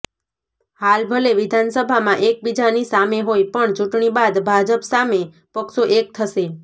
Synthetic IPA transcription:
halbʱəleʋɪd̪ʱansəbʱamãʔek̚bid͡ʒanisameɦojpəɳt͡ʃuʈɳibad̪bʱad͡ʒəpsame | pəkʃoʔek̚t̪ʰəʃe

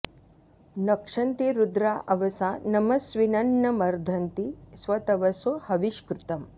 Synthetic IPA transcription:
nɐkʂɐnt̪iɾud̪ɾaːʔɐʋɐsaːnɐmɐsʋinɐɳːɐmɐɾd̪ʱɐnt̪isʋɐt̪ɐʋɐsohɐʋiʃkɾut̪ɐm

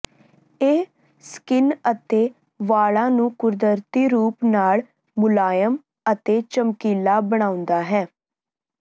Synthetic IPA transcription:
eː | skɪnət̪eː | ʋaːɭãːnũːkʊɾd̪əɾt̪iːɾuːpnaːɭ | mʊlaːjəm | ət̪eːt͡ʃəmkiːlaːbəɽ̃ãːʊ̃nd̪aːɦɛː

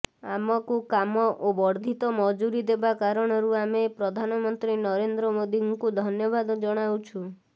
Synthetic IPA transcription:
amɔkukamɔʔobɔɾd̪ʱit̪ɔmɔd͡ʒuɾid̪ebakaɾɔɽ̃ɔɾuamepɾɔd̪ʱanɔmɔnt̪ɾinɔɾend̪ɾɔmod̪iŋkud̪ʱɔnjɔbad̪ɔd͡ʒɔɽ̃awt͡ʃʰu

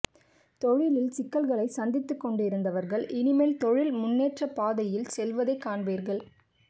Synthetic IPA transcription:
t̪ɔɻɪlɪlsɪkːɐlɣɐɭɐɪsɐnd̪ɪt̪ːɯkːɔɳɖɯɪɾɯnd̪ɐʋɐɾɣɐɭʔɪnɪmɐːlt̪ɔɻɪlmʊnːeːʈrɐpaːðɐjɪlsɛlʋɐðɐɪkːaːɳbeːɾɣɐɭ

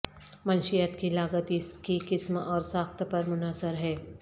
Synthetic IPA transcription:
mɐnʃijət̪kilaːɡət̪iskikɪsmɔːɾsaːxt̪pɐɾmʊnaːsəɾɦɛː

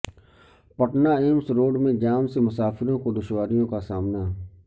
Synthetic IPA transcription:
pəʈnaːeːmsɾoːɖmẽd͡ʒaːmsemʊsaːfɪɾõkod̪ʊʃwaːɾijõkasaːmnaː

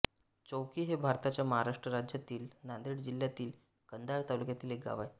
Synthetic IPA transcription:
t͡ɕowkiːɦebʱaɾt̪at͡ɕjaməɦaɾaʂʈɾəɾad͡ʑjat̪iːlnand̪ɾiɽd͡ʑiljat̪iːl | kənd̪ajt̪alukjat̪iːlek̚ɡa̰ʋaj

